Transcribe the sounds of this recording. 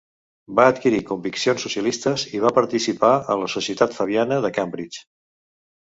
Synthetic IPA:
baət̪kiɾikumbiksionsːusiəlist̪əziβ̞apəɾt̪isipaə̰nləsusiət̪at̪fəβ̞ianəðəkambɾit͡ʃ

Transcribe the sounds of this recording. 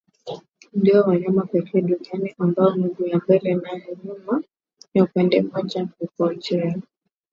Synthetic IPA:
ndiɔwaɲamapɛkʰɛːɗunianiʔambaɔnuɡujambɛlɛnajɛɲuma | jaupɛndɛmɔʄakupɔt͡ʃɛa

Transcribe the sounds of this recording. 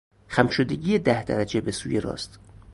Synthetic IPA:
xæmʃod̪eɡijed̪æhd̪æ̰ɾæd͡ʒe̞besuːjeɾɒ̰ːst̪

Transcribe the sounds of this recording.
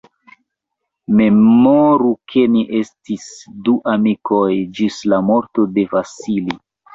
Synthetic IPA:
me̞moɾukʰe̞niʔe̞stisduʔamiko̞jd͡ʒislamo̞ɾto̞de̞vasili

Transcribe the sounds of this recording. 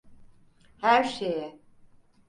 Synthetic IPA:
hæɾʃejɛ

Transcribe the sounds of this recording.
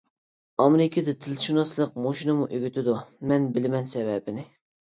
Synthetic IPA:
ɑmeɾɪkʲʰɪd̪ɛt̪ʰɪlʃunɑslˠəq̚moʃinɨmuʔøɡʲyt̪ʰɪd̪umɛnbɪlɪmɛnsɛbɛbɪnɪ

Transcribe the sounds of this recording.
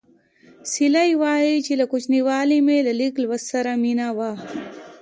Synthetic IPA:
silajwaːit͡ʃilakut͡ʃniwaːlimelaliklwɐssɐɾaminawa

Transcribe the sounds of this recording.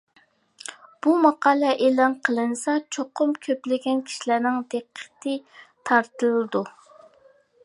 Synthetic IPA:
b̥umɑqɑːlˠɛʔelɑnqʰəlˠɨnɨsɑt͡ʃʰoqʊmkʲʰøplɪɡʲɛnkʲʰi̥ʃilæɾnɪŋd̪eqʰːə̥t̪ʰɨt̪ʰɑɾt̪ɨlˠɨd̪u

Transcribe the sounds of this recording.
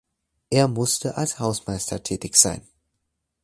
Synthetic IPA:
ʔeːɐmʊstəʔalshaʊsmaɪstɐtʰɛːtɪçz̥a̰ɪn

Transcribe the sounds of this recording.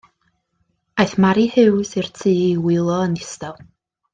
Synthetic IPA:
ajθmaɾihɨwsɨrtʰiːiwɪlˠɔənɪstalˠ

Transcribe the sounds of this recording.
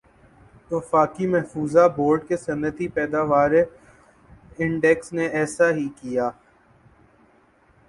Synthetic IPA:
tʋfaːkimɛɦfuːzaboːɾɖkesɐnːət̪ipɛːd̪aːʋaːɾe | ɪ̃ɳɖɛksneʔɛːsaɦikijaː

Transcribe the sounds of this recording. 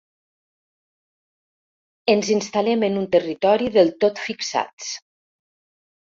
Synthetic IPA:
ənzinst̪alɛmənunt̪ərit̪ɔɾiðəlˠt̪ot̪fiksa̰t͡s

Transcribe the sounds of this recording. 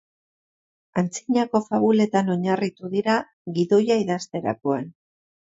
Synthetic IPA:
ant͡siɲako̞faβule̞t̪ano̞ɲarit̪uðiɾa | ɣiðo̞jaiðast̪e̞ɾa̰koan

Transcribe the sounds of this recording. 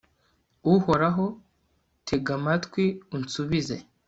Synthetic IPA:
uho̞ɾaɦo | tʰeɡamatkwiunsuβizḛ

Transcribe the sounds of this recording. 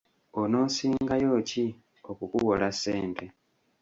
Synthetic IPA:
ono̞ːsiːŋɡajo̞ːci | o̞kukuɣolaseːnte

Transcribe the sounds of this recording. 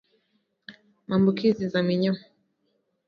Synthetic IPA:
mambukizizamiɲɔ

